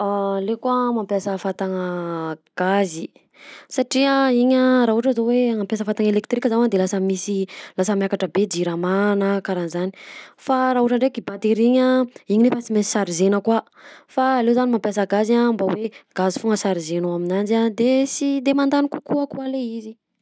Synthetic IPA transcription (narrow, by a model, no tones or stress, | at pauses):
alekuamampjasəfat̪aŋəɡ̥azi | saʈ͡ʂiəiɲəɾaɦuʈ͡ʂəzoweŋampjasəfat̪aŋelek̚t̪rikəzanad̪elasəmisilasəmjakaʈ͡ʂəbed͡ʒiɾamanakaɾanizani̥faɾaɦuʈ͡ʂaɳɖ͡ʐekibat̪eɾiɲaiɲinefasimei̥saɾizenəkwa | faːlezanimampjasəɡazambaweɡ̥azifuŋəsaɾizenoaminand͡ʒad̪esid̪emand̪anikukuakualeizi